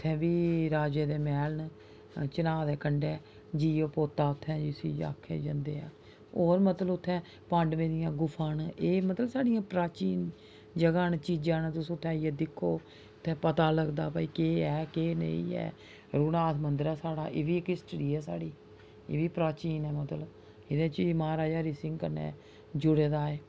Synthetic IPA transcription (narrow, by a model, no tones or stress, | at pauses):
ʊt̪ʰːɛ̃ːbiːɾaːd͡ʒeːd̪eːmɛːln | t͡ʃənaːd̪eːkəɳɖɛː | d͡ʒiːoːpoːt̪ːaːʊt̪ʰːɛ̃ːd͡ʒɪsḭːd͡ʒa̰ːkʰːḛːd͡ʒa̰nd̪eːã̰ː | oːɾmət̪ləbʊt̪ʰːɛ̃ː | pə̃ɳɖʋẽːd̪ɪjãːɡʊpʰaːneːmət̪ləbsaːɽɪjãːpɾaːt͡ʃiːn | d͡ʒəɡaːnːt͡ʃiːd͡ʒãːnãːt̪ʊsũːt̪ʰːɛ̃ːiɛːd̪ɪkʰːoː | ʊt̪ʰːɛ̃ːpət̪aːləɡd̪a̰ːpaːiːkeːɛːkeːnḛ̃ḭ̃ːɛ̰ː | ɾuːnaːt̪ʰmənd̪ɾaːsaːɽa̰ːʔeːʋiːɪkɪsʈɾiːɛːsa̰ːɽiː | ḛːʋiːpɾaːt͡ʃiːnɛːmət̪lə | ɪd̪ẽːt͡ʃimaːɾaːd͡ʒaːɾiːsɪ̃ŋɡkəɾnḛ̃ː | d͡ʒʊɽeːd̪aːeː